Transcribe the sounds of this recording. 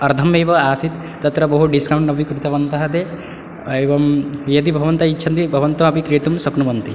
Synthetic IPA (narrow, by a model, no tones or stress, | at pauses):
ɐɾd̪ʱɐmjebɐaːsit̪ːɐt̪ɾɐbɐɦuɖiskawɳʈnɐbʱikɾut̪ɐbɐnt̪ɐɦɐt̪e | eʋɐmjɐd̪ibʱɐʋɐnt̪ɐitːʃʰɐnt̪ibʱɐʋɐnt̪ɔɐbikɾijɐt̪umsɐknubɐnt̪i